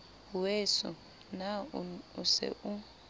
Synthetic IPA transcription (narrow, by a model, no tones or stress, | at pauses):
wesṵ | nausɛ̰ʔu